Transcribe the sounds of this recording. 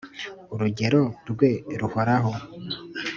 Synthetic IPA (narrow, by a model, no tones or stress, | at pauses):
uɾuɟe̞ɾo̞ɾɡwe̞ɾuhoɾaɦo